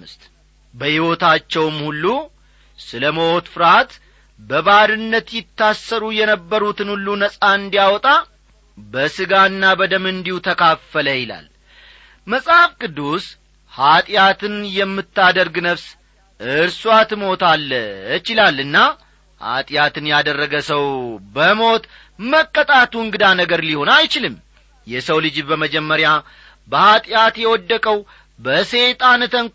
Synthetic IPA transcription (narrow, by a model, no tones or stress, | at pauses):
ɨst̪ | bəhiwo̞t̪at͡ʃːɛwmhulːu | sɨləməwot̪fɨɾat̪ | bəβaɾɨnːət̪jɪt̪ʰːasːəɾujɛnəbːəɾut̪ɨnhulːunəsʼaɨnd̪ijawɔt̪ʼa | bəsɨɡaɨnːabəd̪əmɨnd̪ihut̪ʰəkʰafːələjɪla̰l | məsʼafkʼɨd̪ːus | hat̪ʼjat̪ʰɨnjɛmːɨt̪ːad̪əɾɡnəβs | ʔɨɾswat̪mo̞t̪ʰalːt͡ʃɪlalːɨnːa | ha̰t̪ʼjat̪ɨnjad̪ərːəɡəsəwbəmo̞t̪ | məkʼːət̪ʼat̪uɨŋɡɨd̪anəɡəɾliho̞najt͡ʃɪlɨm | jɛsəwlɨd͡ʒbəməd͡ʒɛmːəɾja | bəhat̪ʼjat̪jɛwɔd̪ːəkʼəw | bəse̞t̪ʼant̪ʰən